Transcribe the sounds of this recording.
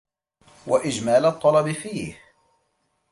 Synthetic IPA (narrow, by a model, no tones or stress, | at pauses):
waʔɪd͡ʒmaːlt̪ˤːɑlɑbɪfiːh